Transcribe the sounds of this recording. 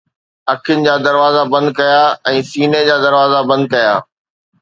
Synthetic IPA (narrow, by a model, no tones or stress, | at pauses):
ɐkʰɪnɪ̆d͡ʑaːd̪ɐɾʋaːzabɐ̃nd̪̚kɐjaːɛ̃ːsiːned͡ʑaːd̪ɐɾʋaːzabɐ̃nd̪̚kɐjaː